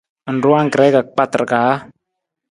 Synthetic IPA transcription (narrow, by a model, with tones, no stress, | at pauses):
ə˨n̩˨ɾu˦a˦ŋ˨kɾɛ˨˦ka˨k͡pa˦t̪ɾkaː˨˦